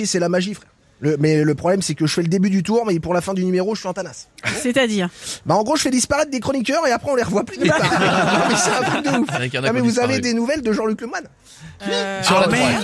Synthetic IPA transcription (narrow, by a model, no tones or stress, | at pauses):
isɛlamaʒifχɛ | ləmɛləpχɔblɛmsɛkʲəʒəfɛləd̪ebyd̪yt̪uʁmɛpuʁlafɛ̃d̪ynymeʁoʒəsɥiɑ̃t̪anassɛt̪ad̪iːʁbaɑ̃ɡʁoʒəfɛd̪ispaʁɛt̪̚d̪ekχɔnik̬ʲœʁeapχɛɔ̃leʁəvwaplyd̪əpamɛsɛt̪ɛ̃t̪χik̚d̪əufmɛvuzaved̪enuvɛld̪əʒɑ̃lykləmwan | wisla